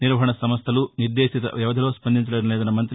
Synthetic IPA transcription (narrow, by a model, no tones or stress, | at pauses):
niɾʋɐɦɐɳɐsɐmɐst̪ʰɐluniɾd̪eːsit̪ɐ̰ʋjɛʋɐd̪ʱɐloːspɐnd̪ʱint͡ʃɐleːd̪ɐleːd̪ɐnɐmɐnt̪ɾ